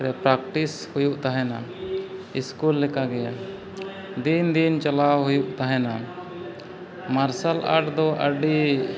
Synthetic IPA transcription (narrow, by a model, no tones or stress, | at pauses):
ɾɛpɾakʈishujuʔt̪aɦɛna̰ | iskulːɛkaɡɛja | d̪ind̪int͡ʃalawɦujuʔt̪aɦɛna̰ | maɾsala̰ʈd̪ɔʔə̰ɖi